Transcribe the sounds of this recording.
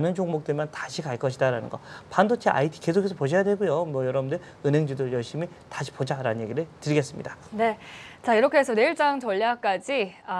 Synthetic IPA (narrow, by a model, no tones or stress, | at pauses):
nɯnt͡ɕʰoŋmok̚t͈ɯɭmʌntaɕʰikaɭk͈ʌɕʰidaɾanɯ̰nɡʌ̰pandot͡ɕʰeʔa̰itʰi̥ke̞sʰokʰesʰʌpoɕʰʌjadwe̞ɡujomwʌjʌɾʌbɯndɯɭ | ɯnɦeŋd͡ʑidojʌɭɕ͈imi | taɕʰi̥pod͡ʑaɾanɯnje̞ɡiɾɯɭtɯɾiɡe̞s͈ɯmɲḭdane̞t͡ɕaiɾʌkʰeesʰʌne̞iɭt͡ɕ͈aŋt͡ɕʌʎːak͈̚ad͡ʑia